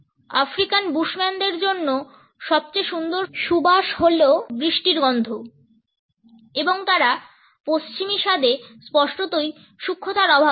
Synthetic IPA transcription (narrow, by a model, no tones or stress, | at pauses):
afɾikanbuʃmɛnd̪eɾd͡ʑonːo | ʃɔb̚t͡ɕeʃund̪oɾʃubaʃɦolobɾiʃʈiɾɡɔnd̪ʱo | eboŋt̪aɾa | post͡ɕimiʃad̪espɔʃʈot̪oj | ʃukʰːot̪aɾɔbʱa